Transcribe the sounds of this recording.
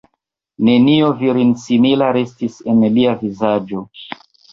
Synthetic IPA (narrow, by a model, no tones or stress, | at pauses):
ne̞nioviɾinsimilaɾe̞stise̞nliavizad͡ʒo̞